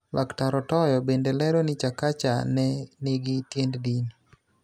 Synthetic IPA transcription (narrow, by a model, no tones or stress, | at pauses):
lʔaktaɾɔtɔjɔbendelɛɾɔnɪt͡ʃakat͡ʃa̰nɛnɪɡɪtjenddin